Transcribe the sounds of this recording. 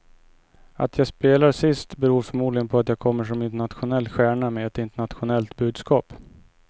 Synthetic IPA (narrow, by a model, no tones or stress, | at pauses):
ʔa̰t̪ʰjaːɡspeːlaɾsɪst̪bɛɾuːɾfɔɾmuːd̪lɪɡənpʰɔat̪jaːkʰɔmːəʂ̬ɔmɪnt̪̬əɳat̪ɧʊnɛlːɧæːɳamɛɛt̪ɪnt̪əɳat̪ɧʊnɛlt̪bʉ̟ːd̪skɑːp